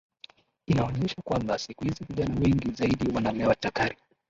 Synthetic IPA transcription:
inaɔɲɛʃakwambasikuhiziviʄanawɛŋɡizaiɗiwananɛwatakaɾi

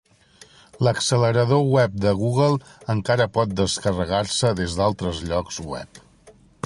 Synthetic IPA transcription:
ləksələɾəðowɛp̚d̪əɣ̞uɣ̞əlˠəŋkaɾəpɔt̪̚d̪əskərəɣaɾsəðezd̪alˠt̪ɾəzʎɔkzwɛ̰p

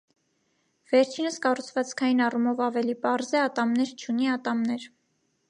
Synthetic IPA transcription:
v̥ɛɾt͡ʃʰinəskɑrut͡sʰvɑt͡skʰɑjinɑrumɔvɑvɛlipɑɾzɛɑt̪ɑmnɛɾt͡ʃʰuniɑt̪ɑmnɛɾ

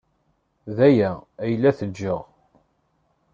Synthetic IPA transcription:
ðæjææjəlːæθəd͡ʒːəʁ

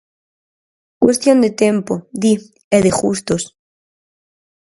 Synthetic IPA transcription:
kwest̪jo̞nd̪et̪empoði | eðexust̪os

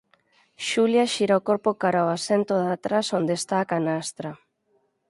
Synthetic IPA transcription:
ʃuljaʃiɾaokoɾpokaɾaoasent̪oðat̪ɾasond̪est̪aːkanast̪ɾa

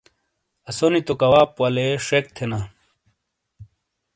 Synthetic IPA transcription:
ɐsonit̪okɐwaːpwɐleʂek̚t̪ʰena

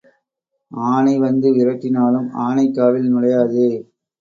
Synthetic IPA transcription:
aːnɐɪʋɐnd̪ɯʋɪɾɐkːɪnaːlɯma̰ːnɐɪkːaːʋɪlnɪɽɐjaːðɯ

